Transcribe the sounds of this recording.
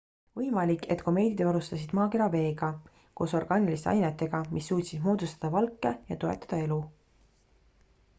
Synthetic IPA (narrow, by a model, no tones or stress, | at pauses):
vɤjmɑlikːˑe̞t̪ko̞me̞ːd̪̥ʲid̪vɑɾust̪ɑsʲid̪̥mɑːke̞ɾɑve̞ːɡ̥ɑ | ko̞ːso̞rɡ̥ɑːnilist̪ḛɑ̰jnet̪ːˑe̞ɡ̥ɑmʔisːuːt̪ʲsid̪̥moːd̪ust̪ɑd̪̥ɑvɑlkˑːe̞jɑt̪o̞e̞t̪ːˑɑ̥d̪̥ɑe̞lu